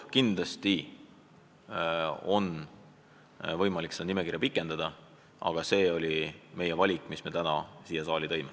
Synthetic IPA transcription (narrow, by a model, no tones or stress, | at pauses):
kind̪lɑst̪i | o̞n | vɤ̞jmɑlʲiksed̪ɑnime̞kirjɑpikˑːe̞nd̪̥ɑd̪̥ɑ | ɑ̰ɡ̥ɑse̞ːo̞lʲime̞jevɑlʲikːˑmisme̞t̪ænɑsiːjɑsɑːlit̪o̞jme